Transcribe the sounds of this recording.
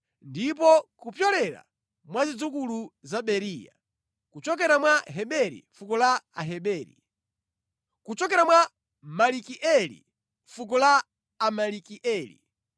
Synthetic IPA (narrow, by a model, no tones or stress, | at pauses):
ndip̬ɔkupjɔlɛɾa̰ | mwazid͡zukuluzaɓɛɾiːja̰ | kut͡ʃɔk̬ɛɾamwaɦɛɓɛɾḭfukɔlaaɦɛɓɛːɾḭ | kut͡ʃɔk̬ɛɾamwa | malikiʔɛlḭ | fuk̬ɔlaː | malikiʔɛːlḭ